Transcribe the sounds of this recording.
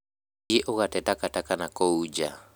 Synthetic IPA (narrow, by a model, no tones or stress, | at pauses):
eʔoɣatɛtakatakanakoud͡ʒa̰